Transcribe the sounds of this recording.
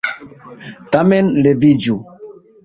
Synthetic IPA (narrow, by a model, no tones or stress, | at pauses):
tamɛnlevid͡ʒu